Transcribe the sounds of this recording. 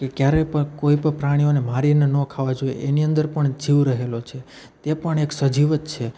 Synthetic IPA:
kekjaɾepəkoipəɳpɾaɽ̃ionemaɾinenɔ̃kʰaʋad͡ʒoḛʔeniənd̪əɾpəɳd͡ʒiʋɾəɦelot͡ʃʰe | t̪epəɳeksəd͡ʒiʋət̪t͡ʃʰe

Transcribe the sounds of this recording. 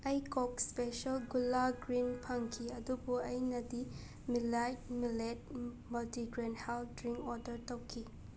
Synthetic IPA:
ɐjkɔk̚spesɐlɡulːaɡɾinpʰaŋkʰiɐdubuɐjnɐdi | milajt̚milet̚mɐltiɡɾenhaldɾiŋkɔɾdəɾtɐwkʰi

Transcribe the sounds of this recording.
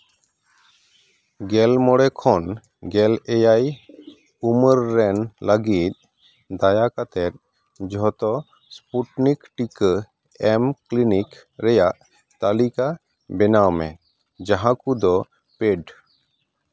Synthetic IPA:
ɡɛlmɔɽɛkʰɔn | ɡɛlɛjaj | uməɾːɛnləɡit̪̚ˀ | d̪ajakat̪ɛt̪̚ˀ | d͡ʒɔt̪ɔ | spuʈnikʈikə | ɛmklinik | ɾɛjaʔ | t̪alika | bɛnawmɛ̰ | d͡ʒaɦãkud̪ɔ | peɖ

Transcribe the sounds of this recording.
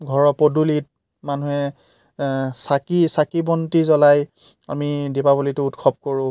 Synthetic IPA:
ɡʱɔɹɔpodulit̚ | manuɦɛ | sakisakibɔntizɔlaj | a̰midepabolitʊutkʰɔb̚koɹʊ̃

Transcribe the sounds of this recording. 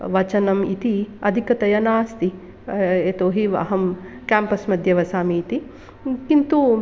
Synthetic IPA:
ʋɐt͡ʃɐnɐmit̪iɐd̪ʱikɐt̪ɐjɐnaːst̪i | et̪oːɦiʋɐ̰ɦɐmkaːmpɐsmɐd̪ʱjɐʋɐsaːmiːt̪i | kint̪u

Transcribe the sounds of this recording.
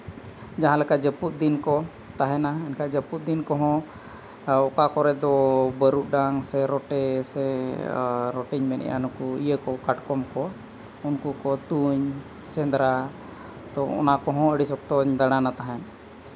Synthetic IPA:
d͡ʒaɦãlɛkad͡ʒəput̪̚d̪inkɔ | t̪aɦɛnaɛnkaʔd͡ʒəput̪̚d̪inkɔɦɔ̃ | ɔkakɔɾɛd̪ɔbəɾuʔ̚ɖaŋsɛɾɔʈɛsɛ | ɾɔʈiɲmɛnʔɛ̰jʔa̰nukuḭjəkɔkaʈkɔmkɔ | unkukɔt̪uɲ | sɛnd̪ɾa | t̪ɔɔ̰nakɔɦɔ̃əɽisɔk̚t̪ɔɲd̪aɽ̃anat̪aɦɛn

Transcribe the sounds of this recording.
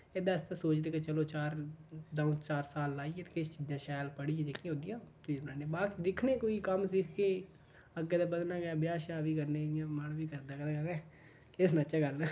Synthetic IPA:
eːd̪aːst̪ãːsoːt͡ʃd̪eːket͡ʃəloːt͡ʃaːɾd̪aːũt͡ʃaːɾsaːlːaːiːɛːt̪eːkɪst͡ʃiːd͡ʒjãːʃɛːlpəɽiːeːd͡ʒeːkːĩɦõːd̪ijãːt̪ːnãːneːbaːkt͡ʃd̪ɪkʰneːkoːiːkəmsɪkʰkeː | əɡeːd̪aːbəd̪naːɡɛːbɪjaːʃaːʋiːkəɾneːɪjãːmanʋiːkəɾd̪aːkɛd̪aːkəɾdɛː | kɪsnat͡ʃaːɡəlnaː

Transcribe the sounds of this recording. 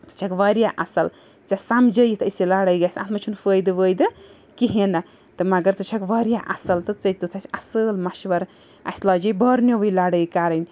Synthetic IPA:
t͡sɨ̥t͡ʃʰɐkʋaɾjaʔɐ̰sɐl | t͡sasamd͡ʒəjit̪ʰəsilaːɽəjɡasʲã̰t̪ʰmɐt͡ʃʰunfəːjd̪ɨʋəjd̪ɨ | kiɦinɐ | t̪ɨmɐɡɐɾt͡sɨt͡ʃʰɐkʋɐːɾʲjaʔɐsɐlt̪ɨt͡sɐjt̪ut̪ʰɐsʲɐsɨlmɐʃʋɐɾ | a̰sʲlaːd͡ʒɐjbɐɾnjoʋəjlaːɽəjkaɾɐjnʲ

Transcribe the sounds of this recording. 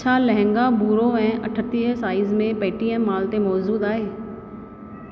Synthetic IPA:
t͡ɕʰalɐɦɪ̃ŋɡabuːɾoɛ̃ːʔɐʈʰət̪iəsaːɪzmẽpeːʈiə̃ːaːlt̪emɔːzuːd̪aːɦeː

